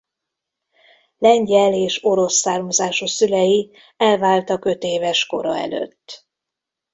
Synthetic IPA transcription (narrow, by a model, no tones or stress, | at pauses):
lɛɲɟɛleːʃo̞ɾo̞sːaːrmɒzaːʃosylɛji | ɛlvaːlt̪ɒkø̞t̪eːvɛʃko̞̰ɾɒ̰ɛ̰lø̰t̪ː